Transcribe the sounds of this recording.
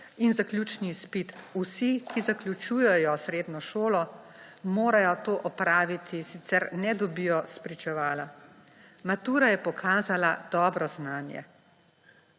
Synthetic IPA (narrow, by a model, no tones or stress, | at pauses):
inzaklʲuːt͡ʃnispit̪usikʰizaklʲjut͡ʃujɛjɔsɾeːd̪nɔʃoːlɔmoːɾajɔt̪oːʔɔpɾaːʋit̪ʰisit̪sɛɾnɛd̪ɔbijɔspɾit͡ʃɛʋaːla | mat̪uːɾajɛpɔkʰaːzalad̪̥ɔːbɾɔznaːnjɛ̰